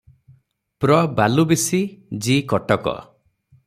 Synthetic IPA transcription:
pɾɔbalubisid͡ʒikɔʈɔkɔ̰

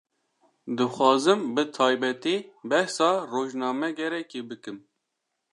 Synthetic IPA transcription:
d̪ɨxʷɑːzɨmbɨt̪ʰɑːjbɛt̪iːbɛhsɑːroːʒnɑːmɛɡɛɾɛkebɨkɨm

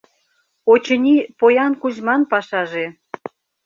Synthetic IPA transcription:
ot͡ɕə̆nʲipojɑnkuʑmɑnpɑʃɑʒe

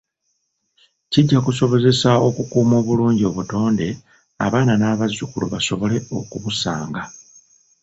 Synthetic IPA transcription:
ciɟːakuso̞βo̞ze̞sao̞kukuːmo̞ːβuluːɲɟio̞βuto̞ːnde̞ | a̰βaːnanaːβazːukuluβaso̞βo̞le̞o̞kuβusaːŋɡa

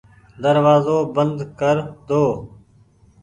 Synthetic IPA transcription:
d̪əɾʋaːzoːbənd̪kəɾd̪oː

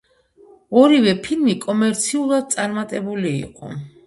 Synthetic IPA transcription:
ɔɾivɛpʰilˠmikʼɔmɛɾt̪sʰiulˠad̪̚t̪sʼaɾmat̪ʼɛbulḭːqʼɔ̰

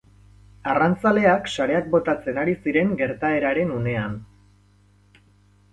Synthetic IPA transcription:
arant͡sale̞aksaɾe̞ak̚bo̞t̪at͡se̞naɾisiɾe̞ŋɡe̞ɾt̪ae̞ɾaɾe̞nune̞an

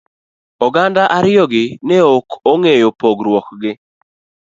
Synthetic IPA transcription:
ɔɡandaʔaɾɪjɔɡɪnɛokʰoŋejopoɡɾwɔkɡɪ

